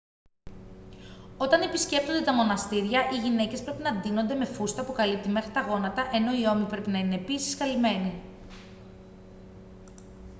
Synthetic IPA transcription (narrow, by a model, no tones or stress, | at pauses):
o̞t̪ɐne̞pisce̞p̚t̪ond̪e̞t̪ɐmo̞nɐst̪iɾʝɐʔiʝine̞ce̞spɾe̞pinɐnd̪ino̞nd̪eme̞fust̪ɐpukɐlip̚t̪ime̞xɾit̪ɐɣo̞nɐt̪ɐʔe̞no̞io̞mipɾe̞pinɐine̞ːpisi̥skɐlime̞ni